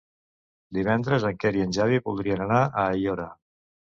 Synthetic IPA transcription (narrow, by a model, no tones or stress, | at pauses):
d̪iβ̞ɛnd̪ɾəzəŋkɛɾiənʲʒaβiβulˠd̪ɾiənənaʔəːjoɾə